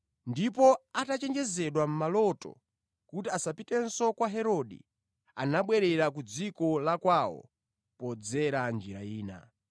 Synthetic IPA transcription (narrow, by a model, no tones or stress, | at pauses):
ndipɔatat͡ʃɛnd͡ʒɛzɛɗwam̩malɔtɔ̰ | kutiasapitɛnsɔkwaɦɛɾɔɗḭ | a̰naɓwɛɾɛɾak̬ud͡zikɔlakwawɔ̰ | pɔd͡zɛɾand͡ʒiɾaiːna̰